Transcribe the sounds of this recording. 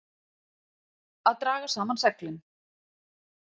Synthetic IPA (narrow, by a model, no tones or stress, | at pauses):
aðt̪ɾaːɣasaːmansɛklʏn